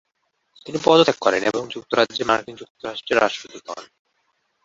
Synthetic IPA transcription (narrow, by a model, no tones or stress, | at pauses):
t̪inipɔd̪ot̪ʰekːɔɾeneboŋd͡ʑuk̚t̪oɾad͡ʑd͡ʑemaɾkiŋd͡ʑuk̚t̪oɾaʃʈɾeɾːa̰ʃʈɾot̪it̪ɔ̰n